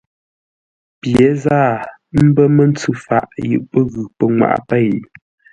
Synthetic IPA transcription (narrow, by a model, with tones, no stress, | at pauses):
pjɛ˨˦zaː˦˨ | m̩˦bə˦mə˦n˦t͡sʉ˦fa̰˦˨ʔjʉ̰˨ʔpə˦ɣʉ˨pə˨ŋwa̰˨ʔpɛ˦˨j